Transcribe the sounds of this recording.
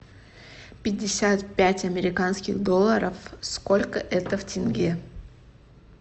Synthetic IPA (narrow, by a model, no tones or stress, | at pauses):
pʲɪdʲːɪsʲat̪pʲætʲɐmʲɪɾʲɪkanskʲɪxd̪o̞lˠːəɾəfskolʲkəʔɛt̪əftʲɪnɡʲe